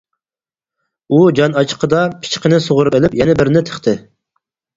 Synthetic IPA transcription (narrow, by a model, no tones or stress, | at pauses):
ud͡ʒɑnɑt͡ʃʰqʰəd̪ɑpʰi̥t͡ʃqɪnɪsoʁʊɾupelɪpjɛnɛbɪɾnɪt̪ʰə̥χt̪ʰɪ